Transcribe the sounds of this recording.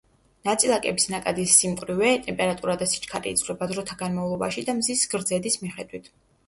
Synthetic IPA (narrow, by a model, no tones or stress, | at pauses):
nat̪sʼilˠakʼɛbisnakʼad̪isːimkʼɾivɛt̪ʼɛmpʼɛɾat̪ʼuɾad̪asi̥t͡ʃʰʼkʰaɾḭːd̪zlɛbad̪ɾɔt̪ʰaɡanmavlˠɔba̰ʃid̪amzisɡɾd̪zɛd̪ismiχɛd̪wit̪ʰ